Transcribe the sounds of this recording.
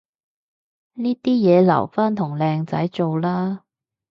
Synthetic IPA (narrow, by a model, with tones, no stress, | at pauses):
niː˥t̪iː˥jɛː˨˧lɐ̰˨˩wfaː˥nt̪ʰʊ˨˩ŋlɛː˧ŋt͡sɐ˨˥jt͡so˨wlaː˥